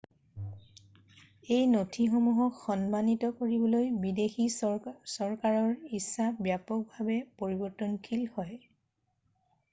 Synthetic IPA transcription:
ejnotʰixomuɦɔkxɔnmanitɔkoɹibɔlojbidexisɔɹkaɹɔɹisːabjapɔk̚bʱabɛpoɹibɔɹtɔnkʰilhɔj

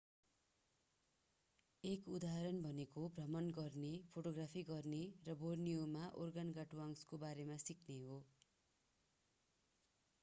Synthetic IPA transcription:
ekud̪aɾʌnbʱʌnekobrʌmʌnɡʌrnepʰoʈoɡrapʰiɡʌrnerʌbornijomaʔorɡanɡaʈuaŋskobaɾemasikʰneɦo

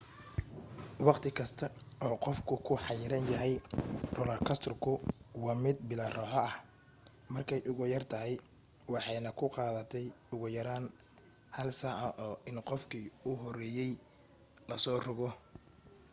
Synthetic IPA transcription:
wɑqt̪ʰɪkʰɐst̪ʰɐɔːqɔfkʰʊkʰʊħɑjɪɾɐnjɐɦɛjrʊlɐrkʰɐst̪ʰrkʰʊwɑːmɪd̪̚bɪlɐrɔħɔɐh | mɐrkʰɛjʔʊɣʊjɐrt̪ʰɐɦɛj | wɑħɑjnɐkʰʊqɑːðɐt̪ʰɛjʊɣʊjɐɾaːn | hɐlsɐʔɐʔɔːʔɪnqɔfkʰiʊɦɔrɛːjɛj | lɐsɔːrʊɣɔ

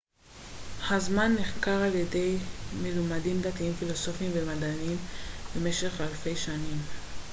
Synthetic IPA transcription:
hazmanːiχkaʁaljede̞jmelumadimd̪at̪iimfilo̞so̞fiimvemad̪animbe̞me̞ʃe̞χalfe̞jʃanim

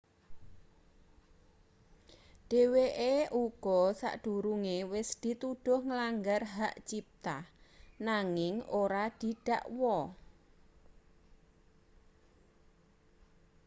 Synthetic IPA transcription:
ɖ̥e̤weʔeʔuɡ̥ɔsa̰ʔɖ̥ṳɾuŋewɪsd̪̥i̤t̪uɖ̥ʊ̤hŋəlaŋɡarɦaʔt͡ʃip̚t̪ahnaŋɪŋoɾad̪̥i̤ɖ̥a̤ʔwɔ

